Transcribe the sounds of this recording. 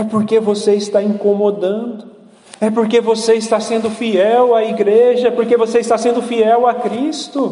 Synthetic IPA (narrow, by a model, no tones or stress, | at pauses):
ɛpoɾkevoseɪst̪aĩŋkomod̪ɐ̃d̪ʊ | ɛpoɾkevoseɪst̪asẽnd̪ʊfiɛwaiɡɾeʒɐɛpoɾkevoseɪst̪asẽnd̪ʊfiɛwakɾist̪ʊ